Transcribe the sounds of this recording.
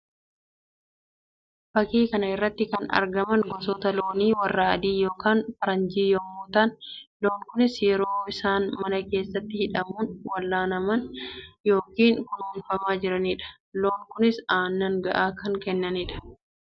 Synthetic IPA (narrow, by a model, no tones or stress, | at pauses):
b̥ɐkiːkɐnɐɪrːɐt̪ːɪkɐnɐ̰ɾɡɐmɐnɡɔsɔːt̪ɐloːniːwɐrːɐɐd̪iːjo̞ːkaːnfɐɾɐnd͡ʒiːjoːmuːt̪ɐnlo̞ːŋkʊnɪsjɛɾo̞ːɪsaːnmɐnɐke̞ːsːɐt̪ːɪhɪᶑɐmuːnwɐlːaːnɐmɐnjo̞ːkiːŋkʊnuːnfɐmaːd͡ʒɪɾɐniːᶑɐ̥ | loːŋkʊnɪsaːnːɐŋɡɐʔaːkɐŋkɛnːɐniːᶑɐ̥